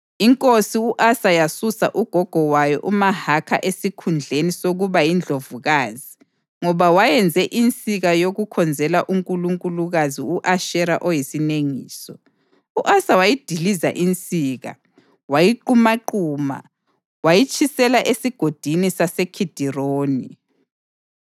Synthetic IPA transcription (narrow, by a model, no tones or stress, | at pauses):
iŋkʼosiuʔasajasusa̰ʔuɡ̥ʱɔɡ̥ʱɔwajɔ̰ʔumahakʰa̰ʔesikʰund͡ɮʱenisoɣuβajind͡ɮʱovuɣaːzi | ŋɔβawajɛnd͡zʱɛʔint͡sʼiɣajoɣukʰɔnd͡zʱɛlaʔuŋkʼuluŋkʼuluɣaziuʔaʃɛɾaʔɔjisineŋiːsɔ | uʔasawajid̥ʱiliza̰ʔint͡sʼiːɣa̰ | wajiǃumaǃuːma̰ | wajit͡ʃʼʰisɛlaʔesiɡ̥ʱod̥ʱinisasekʰid̥ʱiroːni